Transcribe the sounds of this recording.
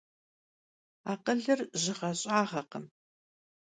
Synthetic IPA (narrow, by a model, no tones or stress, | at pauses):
aːqəɮɨrʑɪʁɐɕʼaːʁɐqəm